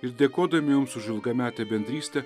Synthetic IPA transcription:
ɪɾd̪ʲeːkoːd̪ɐmʲɪjʊmsʊʒʲɪlˠɡɐmʲæːt̪ʲɛbʲɛnʲd̪ʲɾʲiːsʲt̪ʲɛ

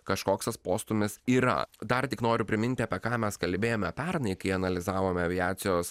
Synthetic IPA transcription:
kɐʃkoːksɐspoːst̪ʊmʲɪsiːɾɐ̰d̪ɐɾt̪ʲɪknoːɾʲʊpʲɾʲɪmʲɪnʲt̪ʲɪɐpʲɛkɑːmʲɛskɐlʲbʲeːjoːmʲɛɐpʲɛɾnɐɪkɐɪɐnɐlʲɪzɑːʋoːmʲɛɐʋʲɪæːt̪sʲɪjoːs

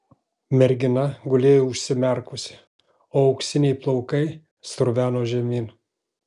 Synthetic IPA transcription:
mʲɛɾʲɡʲɪnɐɡʊlʲeːjoʊʃʲsʲɪmʲɛɾkʊsʲɪ̥ | oːɐʊkʃsʲɪnʲɛɪplˠɔʊkɐɪ | st̪ɾʊʋʲæːnoːʒʲɛmʲiːn

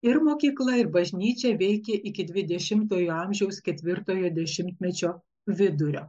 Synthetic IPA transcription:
ɪɾmoːkʲiːklˠɐɪɾbɐʒʲnʲiːt͡ʃʲɛʋʲɛɪkʲeʔɪkʲɪd̪ʲʋʲɪd̪ʲɛʃʲɪmt̪oːjoːɐmʲʒʲɛʊskʲɛt̪ʲʋʲɪɾt̪oːjoːd̪ʲɛʃʲɪmʲt̪ʲmʲɛt͡ʃʲoː | ʋʲɪd̪ʊɾʲo̰ː

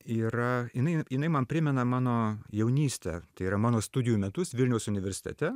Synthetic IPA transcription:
iːɾɐjɪnɐɪjɪnɐɪmɐnpʲɾʲɪmʲɛnɐmɑːnoːjɛʊnʲiːsʲt̪ʲɛ̰t̪ɐɪiɾɐmɑːnoːst̪ʊdʲɪjumʲɛt̪ʊsʋʲɪlʲnʲɛʊsʊnʲɪʋʲɛɾʲsʲɪ̥t̪ʲɛ̰t̪ʲɛ

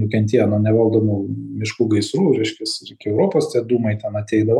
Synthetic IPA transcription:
nʊkʲɛnʲt̪ʲiːnɐnʲɛʋɐlˠd̪oːmuːmʲɪʃkuːɡɐɪsɾuːɾʲɛɪʃʲkʲɛsɾɪkʲɪɛʊɾoːpoːst̪ʲiɛd̪uːmɐɪt̪ʲɛnɐt̪ʲɛɪd̪ɐʋɐ

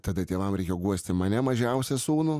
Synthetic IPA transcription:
t̪ɐd̪ɐt̪ʲeːʋɐmɾʲɛɪkʲeːjoɡuɔsʲt̪ʲɪmɐnʲɛmɐʒʲɛʊsʲɛsuːnʊ

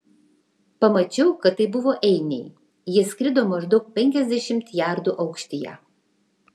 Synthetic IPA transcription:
pɐmɐt͡ʃʲɛʊkɐt̪ːɐɪbʊʋoːʔɛɪnʲɛɪ | jɪsʲkɾʲɪd̪oːmɐʒd̪ɒʊk̚pʲɛŋʲkʲɛzʲd̪ʲɛʃʲɪmt̪jɑˑɾd̪uʔɐʊkʃʲt̪ʲɪjɛ̰

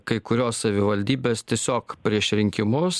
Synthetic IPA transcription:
kɐɪkʊɾʲoːssɐʋʲɪʋɐlʲd̪ʲiːbʲeːst̪ʲiɛsʲoːkpʲɾʲiɛʃɾʲɪŋʲkʲɪmʊs

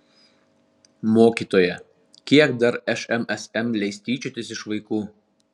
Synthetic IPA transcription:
moːkʲiːˑt̪oːjɛ | kʲiɛkd̪ɐɾɛʃɛmɛsɛmlʲɛɪsʲt̪ʲiːt͡ʃʲʊt̪ʲɪsɪʃʋɐɪkuː

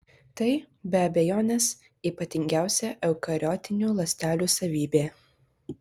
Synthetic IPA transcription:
t̪ɐɪ | bʲɛɐbʲɛjoːnʲɛːs | iːpɐt̪ʲɪŋʲɡʲæˑʊsʲɛʔɛʊkɐɾʲɔːt̪ʲɪnʲuːlˠɐsʲt̪ʲæːlʲuːsɐʋʲiːbʲeː

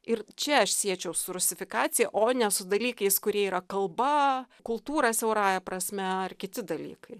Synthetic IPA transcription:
ɪɾt͡ʃʲɛɐʃsʲiɛt͡ʃʲɛʊsʊɾʊsʲɪfʲɪkɑːt̪sʲɪjɛʔoːnʲɛsʊd̪ɐlʲiːkɐɪskʊɾʲiɛiːɾɐkɐlˠbɐkʊlˠt̪uːɾɐsʲɛʊɾɑːjɛpɾɐsʲmʲɛɐrkʲɪt̪ʲɪd̪ɐlʲḭːkɐɪ

